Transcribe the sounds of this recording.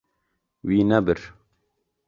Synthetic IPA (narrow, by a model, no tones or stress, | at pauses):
wiːnɛbɨɾ